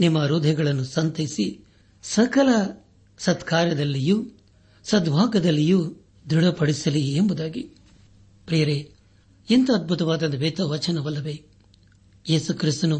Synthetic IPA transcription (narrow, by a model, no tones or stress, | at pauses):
nimːɐɾuːd̪ʱɛɡɐɭɐnːusɐnt̪ɐisi | sɐkɐlɐ | sɐt̪kʰaːɾjɐd̪ɐlːijuː | sɐd̪bʱaːɡɐd̪ɐlːijuː | d̪uɽɐpɐɽisɐliembud̪aːɡi | pɾijɐɾeː | int̪ɐɐd̪̚bʱut̪ɐʋaːd̪ɐnd̪uʋeːt̪ɐʋɐt͡ʃɐnɐʋɐlːɐʋeː | jeːsukɾist̪ɐnu